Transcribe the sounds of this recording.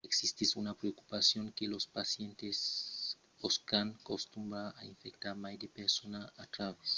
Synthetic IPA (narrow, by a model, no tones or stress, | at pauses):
eksist̪isunapɾeoku̥pasjõŋkelospasjẽnt̪es | oskaŋkost̪umbɾaaiɱfek̚t̪aɾmajd̪epeɾsonaat̪ɾaβes